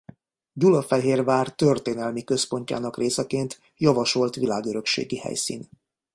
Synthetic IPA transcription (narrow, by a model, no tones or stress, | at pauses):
ɟulɒfɛɦeːrvaːrt̪ø̞rt̪eːnɛlmikø̞spo̞ɲca̰ːnɒkrʔeːsɛkeːnt̪ | jɒvɒʃo̞lt̪ʋilaːɡøɾø̞kʃḛːɡihɛ̰jsḭːn